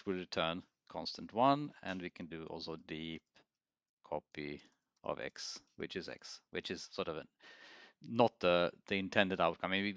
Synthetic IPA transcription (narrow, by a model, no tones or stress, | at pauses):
wɪlɹɨtʰɜ˞n | kʰɑ̰̃nstə̃n̩twʌ̃nɨ̃nwikʰɨ̃ndɨʔɔ̰lˠsoʊdip̚ | kʰɔpi | ʔɔ̰vɛ̰kswɨ̰t͡ʃɨzɛ̰kswɨt͡ʃɨz̥sɔɹɾʌvə | nət̪̚ðəðiɪ̃ntʰɛ̃ndɨɾaʊt̚kʰʌ̃mĩwi